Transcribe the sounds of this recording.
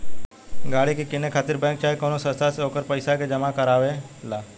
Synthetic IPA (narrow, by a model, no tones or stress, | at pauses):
ɡaːɽikekɪnekʰaːt̪ɪɾbɛ̃ːŋk̚t͡ʃaːekoːnosəst̪aseoːkəɾpəjsaked͡ʒəmakəɾaːʋela